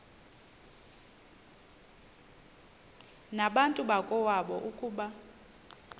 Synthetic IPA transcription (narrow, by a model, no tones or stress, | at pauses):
naɓantʼuɓakʼɔwaɓɔʔukʼuːɓa